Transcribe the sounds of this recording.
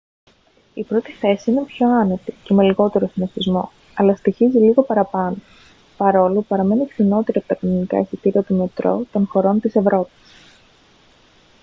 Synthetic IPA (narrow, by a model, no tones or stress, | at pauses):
ipɾo̞t̪i̥θe̞siine̞pço̞ɐne̞t̪ice̞me̞liɣo̞t̪e̞ɾosinofizmo̞̰ | ɐlɐst̪içiziliɣo̞pɐɾɐpɐno | pɐɾo̞lupɐɾɐme̞nikθino̞t̪eɾɐpot̪ɐkinonikɐ̰esit̪iɾiɐt̪ume̞t̪ɾo̞̰t̪o̞nxo̞ɾo̞nt̪ise̞vɾo̞pi̥s